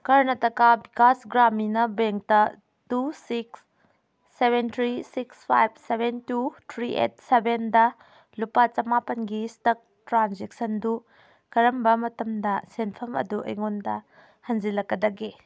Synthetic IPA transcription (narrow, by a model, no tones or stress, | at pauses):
kɐɾnɐtɐkabikʰasɡɾaminɐbeŋk̚tɐ | tusiksː | ebent̪ʰɾisikspʰajb̚sebʱentutʰɾiʔḛt̚sebendɐ | lupɐt͡ʃɐmapɐnɡistɐk̚tɾanzeksɐndu | kɐɾɐmbɐmɐtɐmdɐsenpʰɐmɐ̰duʔɐ̰jŋondɐ | hɐnd͡ʒilɐkːɐdɐɡe